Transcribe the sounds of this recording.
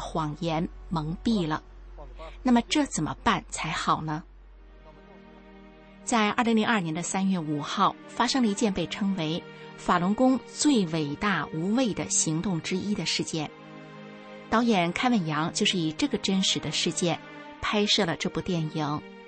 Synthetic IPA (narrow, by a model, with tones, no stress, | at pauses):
xwɑ˨˩ŋjɛ˧˥nmɤ˧˥ŋpi˥˩lə̰˩ | na˥˩mə˩ʈ͡ʂɤ˥˩t͡sə˨˩nmʔə̰˦pa˥˩nt͡sʰa˧˥ɪxɑ˨˩ʊnə˦ | t͡sa˥˧ɪʔaɐ˞˥˩li˧˥ŋli˧˥ŋɐ˞˥˩njɛ˧˥nd̪ə˧sa˥nɥɛ˥˩u˨˩xɑ˥˩ʊfa˥ʂɤ˥ŋd̪ə˧i˧˥t͡ɕjɛ˥˧npe˥˩ɪʈ͡ʂʰɤ˥ŋwe˧˥ɪfa˨˩lʊ˧˥nkʊ˥ŋt͡swe˥˩ɪwe˨˩ɪt̪a˥˩u˧˥we˥˩ɪd̪ə̰˩ɕi˧˥ŋt̪ʊ˥˩ŋʈ͡ʂɻ̩˥ʔi˥d̪ə˨ʂɻ̩˥˧t͡ɕjɛ˥˩n | t̪ɑ˧˥ʊjɛ˨˩nkʰa˥nwə˥˩njɑ˧˥ŋt͡ɕjo˥˧ʊʂɻ̩˥˩i˨˩ʈ͡ʂɤ˥˩ɡə˩ʈ͡ʂə˥nʂɻ̩˧˥d̪ə˧ʂɻ̩˥˧t͡ɕjɛ˥˩n | pʰa˥ɪʂɤ˥˩lə˩ʈ͡ʂɤ˥˧pu˥˩t̪jɛ˥˩ni˧˥ŋ